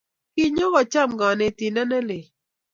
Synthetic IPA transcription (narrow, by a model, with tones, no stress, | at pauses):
kɪ˦ɲɔ˦ɣɔ˨t͡ʃa˦˨mɡɔ˨nɛ˨ti˨ndɛ˦nɛ˦lɪ˨